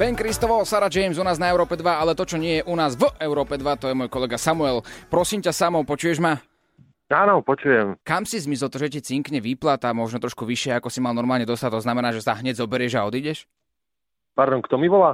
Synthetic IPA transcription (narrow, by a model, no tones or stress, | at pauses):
ʋɛŋkɾist̪ɔʋɔsaɾad͡ʒɛjɛmzunaːznaɛʊɾɔːpɛd̪ʋaalɛt̪ɔt͡ʃɔɲɪɛjɛʔunaːzvʔɛʊɾɔːpɛd̪ʋat̪ɔjɛmɔjkɔlɛɡasamuɛlpɾɔsiːmcasamɔʊpɔt͡ʃujɛʒma | aːnɔpɔt͡ʃujɛmkamsizmisɛlˠt̪ɔʒɛcit͡siŋkɲɛʋiplat̪amɔʒnɔt̪ɾɔʃkuʋiʃɪɛakɔsimalnɔɾmaːlɲɛd̪ɔst̪at̪ɔznamɛnaːʒɛsaɦɲɛɟzɔbɛɾɪɛʒaɔd̪iːɟɛʃ | paɾd̪ɔŋkt̪ɔmiʋɔlaː